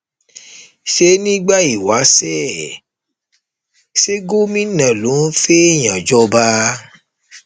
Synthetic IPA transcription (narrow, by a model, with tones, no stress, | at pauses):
ʃe˨˦nĩ˦ɡ͡ba˦i˨wa˨˦sɛ˦˨ | ʃe˦ɡo˦mĩ˦nã˨lo˨˦fe˦˨j̃ã˨d͡ʒɔ˦ba˦